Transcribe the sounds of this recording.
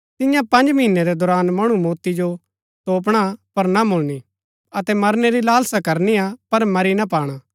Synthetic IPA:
t̪ɪjãpɐ̃nd͡ʒmɐɦɪnːɛɾɛd̪ɔɾaːnmɐɽ̃umoːt̪id͡ʒo | t̪oːp̬ɽ̃apɐɾnamʊlni | ɐt̪ɛmɐɾnɛɾilaːlsakɐɾniapɐɾmɐɾinap̬aːɽ̃aː

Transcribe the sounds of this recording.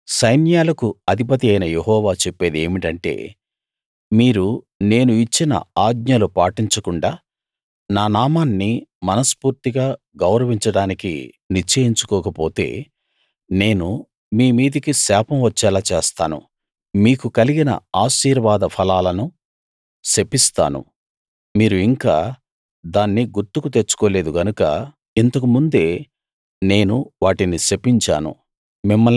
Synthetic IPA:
sɐjnjaːlɐkuɐd̪ʱipɐt̪̬iɐjnɐjeɦɔːʋaːt͡ʃepːe̞ːd̪e̞̰ːmiʈɐɳʈe̞̰ː | miːɾu | ne̞ːnuit͡ʃːinɐ̰aːɡ̚ɲɐlupaːʈiɲt͡ʃɐkuɳɖaː | naːnaːmaːnːimɐnɐspuːɾt̪iɡaː | ɡɐwɾɐʋiɲt͡ʃɐɽaːnikḭ | niɾt͡ʃeːɦiɲt͡ʃu̥kɔːkɐpo̞ːt̪e̞̰ː | ne̞ːnu | miːmiːd̪ikisaːpɐmʋɐt͡ʃːɛːlaːt͡ʃeːst̪aːnṵ | miːkukɐliɡinɐ̰aːʃiːɾɐʋaːd̪ɐpʰɐlaːlɐnu | sepːist̪a̰ːnṵ | miːɾuiŋkaː | d̪aːnːiɡuɾt̪ukut̪eɾt͡ʃːu̥koːle̞ːd̪uɡɐnukɐ̰ | int̪ɐkumund̪e̞ː | ne̞ːnuʋaːʈinisepːiɲt͡ʃa̰ːnṵ | mimːɐ

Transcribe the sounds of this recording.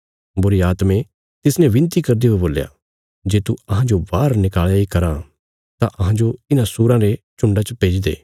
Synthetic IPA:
bʊɾiaːt̪mẽ | t̪ɪsnɛ̃ʋɪ̃nt̪ikɐɾd̪iɦoeboːlja̰ː | d͡ʒeːt̪uɐɦãd͡ʒobaːɾnɪkaːɭjaikɐɾã | t̪ã̰ʔɐɦãd͡ʒoɪnãsuːɾãɾet͡ʃʊ̃ɳɖat͡ʃəpeːd͡ʒd̪ḛː

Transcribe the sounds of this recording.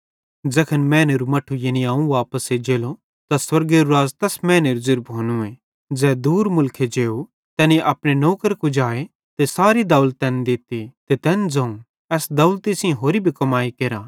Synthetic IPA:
d͡ʒɐkʰənmɛ̃ːneɾumɐʈʰujeniaːũʋaːpəsed͡ʒeːlo | t̪aswɐɾɡeɾuɾaːzt̪ɛsmɛ̃ːneɾuzɪɾbɦoːnũẽ | d͡zɛːd̪uːɾmʊlkʰed͡ʒeːu | t̪ɛːniʔɐpɽenoːkəɾkud͡ʒaːe | t̪esaːɾid̪ɐwlt̪ɛːnd̪ɪt̪it̪et̪ɛːnd͡zɐ̃ũ | ɛːsd̪ɐʊlt̪isɪ̃ɦoːɾibʱikɐmaːikeːɾa

